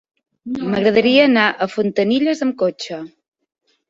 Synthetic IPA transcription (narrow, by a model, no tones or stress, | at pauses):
məɣɾəð̞əɾiəːnaʔəfunt̪əniʎəzəmkot͡ʃə